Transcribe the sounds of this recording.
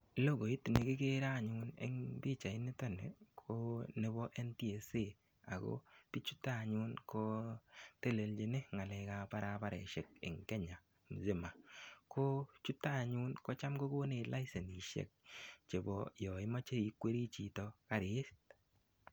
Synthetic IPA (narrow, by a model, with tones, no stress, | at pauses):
lo˦ɡo˨i˦tne˨kɪ˦ke˦ɾa˦˨ɲʊ˦nḛ˦ŋbi˦˨t͡ʃa˨ɪ˦ne˦tɔ˦nḛ˨kʰo˦ne˦bɔ˦ʔɛ˦nti˦e˨se˦ | a˨ɡo̰˦pi˦t͡ʃu˦ta˦˨ɲʊ˦nkʰo˦te˦˨le˨ld͡ʒe˨ne˦ŋa˨lɛ˨˦ka˦pa˦ɾa˦pa˦ɾɛ̰˨ʃe˨k̚ɪ̰˨ŋkɛ˦ɲa˨ | m˨ze˦˨ma˨kʰo˦t͡ʃu˦ta˦˨ɲʊ˦nko˦t͡ʃa˦mɡo˦ko˦ne˨la˦ɪsɛ˨ni˨ʃḛ˦˨k̚t͡ʃe˨bɔ˨jɔ˨ɪ˦ma˦t͡ʃe˦i˨kwe˦ɾi˦t͡ʃi˨tɔ˦ka˦ɾe˦st